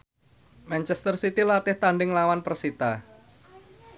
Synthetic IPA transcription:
mɛnt͡ʃɛst̪ərsit̪ilat̪ɪht̪aɳɖɪŋlawanpərsit̪a

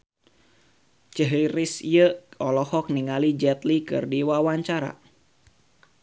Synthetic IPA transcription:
t͡ʃəɦəjɾɪsiəɔlɔhɔk̚niŋalid͡ʒɛt̪likɨ̰rdiwawaɲt͡ʃaɾa̰

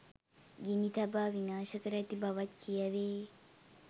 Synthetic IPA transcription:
ɡinit̪ʰɐbaːʋinaːʃɐkɐɾɐɐt̪ibʱɐʋɐt̪kijɐʋeː

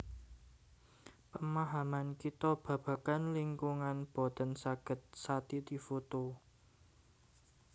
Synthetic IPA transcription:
pəmaɦamankit̪ɔb̥ä̤b̥a̤kanliŋkuŋanb̥ot̪ənsaɡ̥ə̤t̪̚sat̪id̪ifot̪o

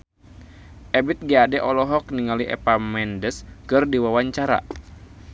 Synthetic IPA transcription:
ʔɛbit̪̚ɡiadɛʔɔlɔɦɔk̚niŋaliʔɛ̰pamɛndəskɨrdiwawaɲt͡ʃaɾa̰

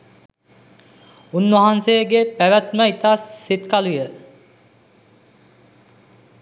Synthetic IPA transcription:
unːuɦanseɡepæʋæt̪məit̪asːet̪kalujə

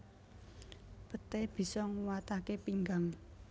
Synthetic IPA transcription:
pət̪eb̥i̤sɔŋuwat̪akepiŋɡaŋ

